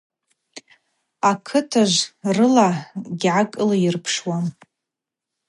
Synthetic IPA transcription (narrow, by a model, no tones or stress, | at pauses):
akʰɨtʰaʒʷrɨlaɡʲʕakʼɨlajɪrpʰʂwa